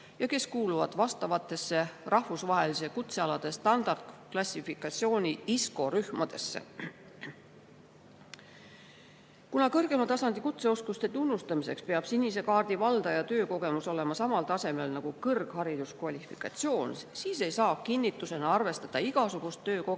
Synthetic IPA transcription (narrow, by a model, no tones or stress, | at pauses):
jɑke̞skuːluvɑ̰d̪̥vɑst̪ɑvɑt̪ːˑe̞sːe̞rɑhvusvɑɦe̞lis̬e̞kut̪se̞ɑlɑd̪̥e̞st̪ɑnd̪̥ɑrd̪̥klɑsʲːifikːˑɑt̪ʲsio̞ːnʲiisko̞ɾyhmɑd̪̥e̞sːḛ | kunɑkɤrɡ̥e̞mɑt̪ɑsɑnd̪̥ikut̪se̞o̞skust̪e̞t̪unːust̪ɑmise̞kspe̞ɑb̥sinʲːise̞kɑːrd̪̥ivɑld̪̥ɑjɑt̪ø̞ːko̞ɡ̥e̞muso̞le̞mɑsɑmɑlt̪ɑse̞me̞lnɑɡ̥ukɤrɡ̥hɑɾid̪̥uskvɑlʲifikːˑɑ̰t̪sio̞ːnsiːse̞jsɑːkinʲːit̪ːˑuse̞nɑɑrve̞st̪ɑd̪̥ɑiɡ̥ɑsuɡ̥ust̪ːøːko